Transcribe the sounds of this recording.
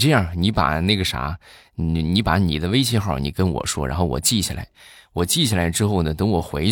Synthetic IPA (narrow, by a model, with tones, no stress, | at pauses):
ʈ͡ʂɤ˥˧jɑ˥˩ni˧˥pa̰˨˩na˥˩ɡə˩ʂa̰˧˥˧ | ni˧˥pa˧˩˥nḭ˨˩d̪ə˦we˥ɪt͡ɕʰɛ˥xɑ˥˩ʊni˨˩kə˥nwɔ̰˨˩ʂwɔ̰˥ɻa̰˧˥nxo˥˩ʊwɔ̰˨˩t͡ɕi˥˩ɕʰḭ˨˩la̰˧˥ɪwɔ˨˩t͡ɕi˥˩t͡ɕɕʰi˨la˧˥ɪʈ͡ʂɻ̩˥xo˥˩ʊnə˩t̪ɤ˧˥ŋwɔ˨˩xwe˧˥ɪ